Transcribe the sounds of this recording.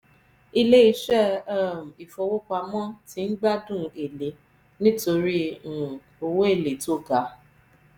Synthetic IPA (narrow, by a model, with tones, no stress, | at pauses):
i˦le˦i˧˦ʃɛ˦˨ɛ˦˨m̩˨i˨fo˨˧wo˦k͡pa˧mã˦ti˧˦n̩˦ɡ͡ba˦dũ˦˨e˨le˨˦ | nĩ˦to˧ɾĩ˦˨ | o˧wo˦e˦˨le˨to˦˨ɡa˨˦